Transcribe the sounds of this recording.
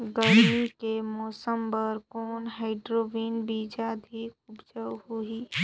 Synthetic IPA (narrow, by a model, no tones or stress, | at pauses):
ɡəɾikemɔːsəmbəɾkɔːnɦaːɪɖɾoːbiːnbʱid͡ʒaːd̪ʱiʊbd͡ʒəwɦui